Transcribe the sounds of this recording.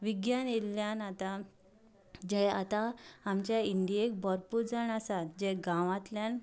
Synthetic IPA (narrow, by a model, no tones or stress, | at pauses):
ʋiɡjaneljanat̪a | d͡ʑɛa̰t̪aamt͡ɕjaind̪ijek̚bəɾpuɾd͡zaɳasat̪d͡ʑɛɡãʋãt̪ljan